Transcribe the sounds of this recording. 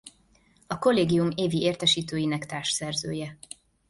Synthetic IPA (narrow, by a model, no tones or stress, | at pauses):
ɒko̞lːeːɡijumeːvieːrt̪ɛʃiːt̪øːjinɛkt̪aːrʃsɛrzøːjɛ